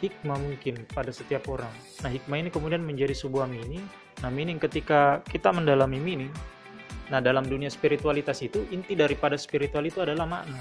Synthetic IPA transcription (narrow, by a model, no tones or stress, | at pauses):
hik̚mamuŋkɪnpadasət̪iapoɾaŋ | nahɦik̚mainikəmudianməɲd͡ʒadisəbuahmini | nahminɪŋkət̪ikakit̪aməndalamiminɪŋ | nahdalamduniaspiɾit̪ualit̪asit̪uʔint̪idaɾipadaspiɾit̪ualit̪uadalahma̰ʔna